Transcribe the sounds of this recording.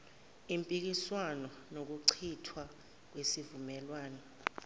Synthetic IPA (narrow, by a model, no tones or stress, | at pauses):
impʼik̬iswanɔ | nok̬uǀʰitʰwa | k̬wesivumɛlwaːnɔ